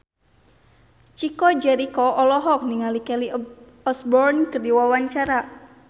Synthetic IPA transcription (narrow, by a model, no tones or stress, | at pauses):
t͡ʃikɔd͡ʒɛɾikɔɔlɔɦɔk̚niŋalikɛli | ɔsbɔrnkərdiwawaɲt͡ʃaɾa